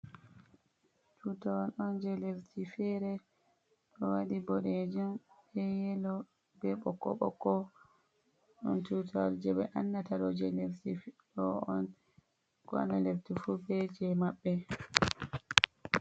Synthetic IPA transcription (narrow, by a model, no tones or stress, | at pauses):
tutawalɔnd͡ʒɛleftʰifɛɾɛ | ɗɔwaɗibɔɗed͡ʒumɛjɛlɔ | bɛɓɔkːɔ̰ɓɔ̰kːɔ | ɗɔntutʰawald͡ʒɛbɛʔanːataɾɔd͡ʒɛleftifɗɔɔn | kɔa̰naleftifubɛd͡ʒɛmaɓːɛ